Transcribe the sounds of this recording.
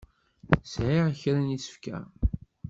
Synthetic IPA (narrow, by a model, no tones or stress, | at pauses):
sʕiʁçɾænjit͡sːə̥fkæ̰